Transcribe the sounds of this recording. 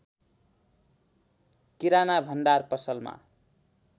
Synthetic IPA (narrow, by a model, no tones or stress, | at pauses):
kiɾanabʱʌnɖarpʌsʌlma̰